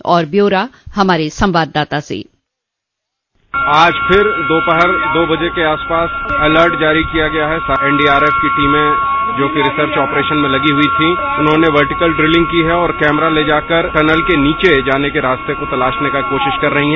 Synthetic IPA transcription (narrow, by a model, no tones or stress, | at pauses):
ɔːɾbjoːɾahɐmaːɾesɐ̃mʋaːd̪ːaːt̪asḛ | aːd͡ʒpʰɪɾd̪oːpəɦəɾd̪oːbɐd͡ʒekeaːspaːsɛləɾʈd͡ʒaːɾikijaɡɐjaɦɛsɛ̃ːɳɖiːaːɾeːfkiʈiːmẽd͡ʒoːkiɾɪsəɾt͡ʃɔːpɾeːʃənmẽlɐɡiɦʊit̪ʰiʊnɦõːneʋɐɾʈɪkəlɖɾɪlɪ̃ŋɡ̚kiɦɛɔːɾkɛːmɾaled͡ʒaːkəɾʈɐnəlkeniːt͡ʃed͡ʒaːnekeɾaːst̪ekot̪ɐlaːʃnekakoːʃɪʃkɐɾːɐɦiɦɛ